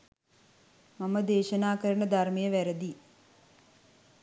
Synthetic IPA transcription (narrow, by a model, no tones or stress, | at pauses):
maməd̪eːʃənaːkəɾənəd̪armejəʋæɾəd̪i